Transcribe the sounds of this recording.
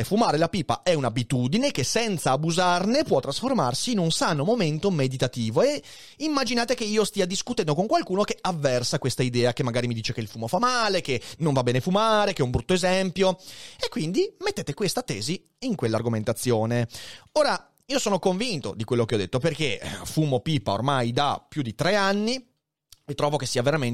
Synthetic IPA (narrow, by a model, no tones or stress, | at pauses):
fumaːɾelapiːpa̰ʔɛunabit̪uːd̪inek̟esɛnt̪saːbuzarnepwɔt̪ːɾasforma̰rsiːnunsaːnomoment̪omed̪it̪at̪iːvoe | imːad͡ʒinaːt̪ekeiːost̪iːad̪iskut̪ɛnd̪okoŋkwalkuːnokeavːɛrsakwest̪aid̪ɛːakemːaɡaːɾimid̪iːt͡ʃekeilfuːmofamːaːlek̟enõɱvabːɛːnefumaːɾekɛumbɾut̪ːoezɛmpjoekwind̪imet̪ːeːt̪ekwest̪at̪ɛ̰ːziː | ŋkwelːarɡoment̪at̪sːjoːneoːɾa | iːosoːnokoɱvint̪o̰d̪ikwelːokeɔd̪et̪ːoperk̟efuːmopipːa̰o̰rmajd̪apjud̪it̪ɾeanːi | et̪ːɾɔːvokesːiːaveɾamen